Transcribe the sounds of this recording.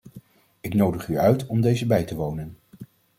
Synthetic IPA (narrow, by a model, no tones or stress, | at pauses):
ɪknowdəχyœɥtɔmdejzəbɛjtəʋownən